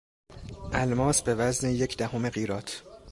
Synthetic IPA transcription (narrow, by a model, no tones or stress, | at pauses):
ʔælmɒːsbe̞væzneje̞cʰd̪æhome̞ɢiːɾɒːt̪ʰ